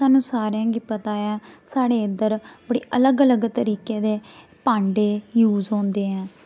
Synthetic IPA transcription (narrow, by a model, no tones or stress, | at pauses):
saːnũːsaːɾjãːɡiːpət̪aːjaːsaːɽeːɪd̪əɾbəɽḭːʔələɡələɡt̪əɾiːkeːd̪eː | pãːɳɖeːjuːzɦõːnd̪eːɦɛ̃ː